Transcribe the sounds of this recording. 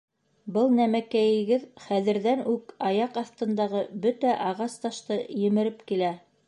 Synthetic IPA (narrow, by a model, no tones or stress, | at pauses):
bɤlˠnæmækæjɘ̆ɡɘðχæðɘ̆ɾðænʉkɑjɑqɑθt̪ɤ̆nd̪ɑʁɤbɵt̪æʔɑʁɑst̪ɑʃt̪ɤjɘ̆mɘ̆ɾɘpkilæ